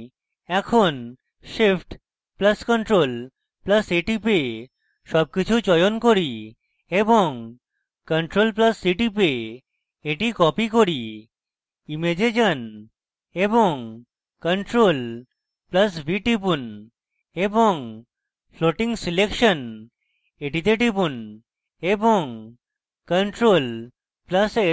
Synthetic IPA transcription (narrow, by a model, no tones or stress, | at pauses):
ɛkʰon | ʃipʰʈ | plɐskəɳʈɾol | plɐseʈipe | ʃɔb̚kit͡ɕʰut͡ɕɔjonkoɾi | eboŋ | kəɳʈɾolpləsːiʈipe | eʈikɔpikoɾi | imed͡ʑed͡ʑən | eboŋ | kəɳʈɾol | plɐsbiʈipun | eboŋ | pʰloʈiŋsilekʃən | eʈit̪eʈipun | eboŋ | kəɳʈɾol | plase